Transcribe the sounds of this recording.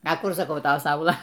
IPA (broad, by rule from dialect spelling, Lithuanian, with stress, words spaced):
ɐ ˈkʊr sɐˈkɐʊ ˈtɐ ˈsɐʊlˠɐ